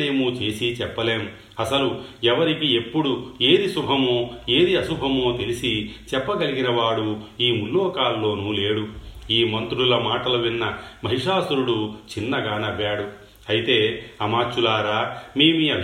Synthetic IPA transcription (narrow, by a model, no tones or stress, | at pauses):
eːmut͡ʃe̞ːsit͡ʃɛpːɐle̞ːm | ɐsɐluɛʋɐɾikie̞pːuɽue̞ːɾisubʱɐmoːe̞ːɾiɐʃubʱɐmo̞ːt̪e̞lisit͡ʃɛpːɐɡɐliɡinɐʋaːɽuiːmulːɔːkaːlːo̞ːnule̞ːɽuiːmɐnt̪ɾuɽulɐmaːʈɐlɐʋinːɐmɐɦiʂaːsuɾuɽut͡ʃinːɐɡaːnɐʋːaːɽu | ɐjit̪e̞ːɐmaːt͡ʃulaːɾaːme̞ːmiɐbʱ